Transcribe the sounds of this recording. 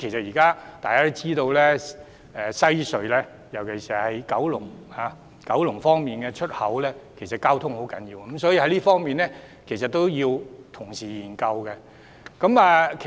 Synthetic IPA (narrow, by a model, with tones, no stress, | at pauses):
kʰe˨˩jsɐ˨t̚jiː˨kaː˥t̪aː˨kaː˥ɾo˥wt͡siː˥t̪o˧wlɛː˥ | ɛ˨˧sɐ˥jsɵ˨˧ɥlɛː˥ | jɐ˨˩wkʰe˨˩siː˨hɐ˨jkɐ˨˥wlʊ˨˩ŋhaː˨˦ | kɐ˨˥wlʊ˨˩ŋfɔː˥ŋmiː˨nkɛː˧t͡ʃʰɵ˥t̚hɐ˨˥wlɛː˥kʰe˨˩jsɐ˨t̚kaː˥wt̪ʰʊ˥ŋho˨˥wkɐ˨˥njiː˧w̩˥˦˥m̩sɔː˨˥jiː˧hɐ˨˥jliː˥fɔː˥ŋmiː˨nlɛ˥ | kʰe˨˩sɐ˨t̪̚o˥wjiː˧wt̪ʰʊ˨˩ŋsiː˨jiː˨˩nkɐ˧wkɛ˧ | kɐ˨˥mɐː˨˧kʰ